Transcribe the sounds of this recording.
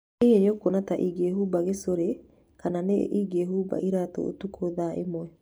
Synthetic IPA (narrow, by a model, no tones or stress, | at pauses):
eeɲokonataʔiɡeɦubaɣesoɾe | kananeʔiɡeɦuba̰ʔiɾato̰o̰tukʰoðaʔḛmwɛ